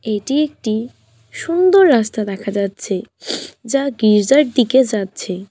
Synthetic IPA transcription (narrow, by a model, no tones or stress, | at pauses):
eʈiek̚ʈi | ʃund̪oɾːast̪ad̪ɛkʰad͡ʑatːɕʰed͡ʑaɡiɾd͡ʑaɾʈ̚d̪iked͡ʑatːɕʰe